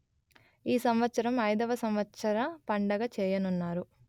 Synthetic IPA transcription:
iːsɐmʋɐt̪sɐɾɐmɐjd̪ɐʋɐsɐmʋɐt̪sɐɾɐpɐɳɖɐɡɐt͡ʃɛːjɐnunːaːɾu

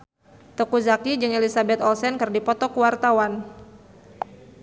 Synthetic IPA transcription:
t̪ɔkuzakid͡ʒɨŋelisabɛt̪ɔlsɛnkɨrdipɔt̪ɔkuwart̪awan

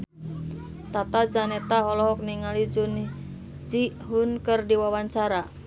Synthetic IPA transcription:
t̪at̪ad͡ʒanɛt̪aɔlɔɦɔk̚niŋalid͡ʒun | d͡ʒi | ɦunkərdiwawaɲt͡ʃaɾa

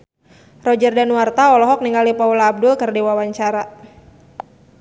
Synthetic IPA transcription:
rɔd͡ʒərdanwart̪aɔlɔɦɔk̚niŋɡalipawlaːb̚dʊlkərdiwawaɲt͡ʃaɾa

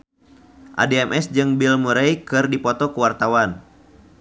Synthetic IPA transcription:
ʔa̰deɛmʔɛsd͡ʒɨŋbilmuɾejkɨrdipɔt̪ɔkuwart̪awan

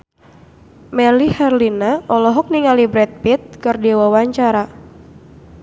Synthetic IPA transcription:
mɛlihɛrlinaɔlɔɦɔk̚niŋalibɾɛt̪̚pit̪̚kərdiwawaɲt͡ʃaɾa

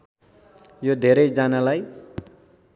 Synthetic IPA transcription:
jod̪ʱeɾʌjd͡zanalaj

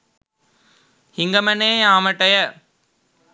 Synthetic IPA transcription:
hɪŋɡɐmɐneːaːmɐʈːɐjɐ

